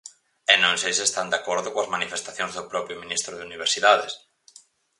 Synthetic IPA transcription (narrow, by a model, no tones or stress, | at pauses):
ɛnõŋsejsest̪and̪akɔɾðʊkõɐzmanifest̪aθjõŋzðʊpɾɔpɾjominist̪ɾʊðeuniβ̞eɾsiðaðes